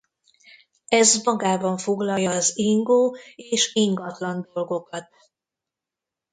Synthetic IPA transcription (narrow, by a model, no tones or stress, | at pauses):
ɛzmɒɡaːbɒɱfo̞ɡlɒjːɒːziŋɡoːeːʃiŋɡɒt̪lɒnd̪o̞lɡo̞kɒt̪̚